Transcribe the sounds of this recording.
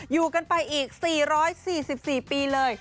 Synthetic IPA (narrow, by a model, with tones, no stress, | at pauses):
juː˨˩ka˧npa˧jʔiː˨˩k̚siː˨˩ɾɔː˦˥jsiː˨˩si˨˩p̚siː˨˩piː˧lɤː˧j